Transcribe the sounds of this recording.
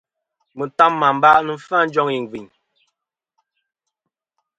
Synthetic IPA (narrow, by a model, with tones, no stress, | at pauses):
mə˨ta˦mːa˨m˦ba˦ʔnə˨fa˦˨n̩˦d͡ʒɔ˦ŋi˨ŋ˨vi˨ɲ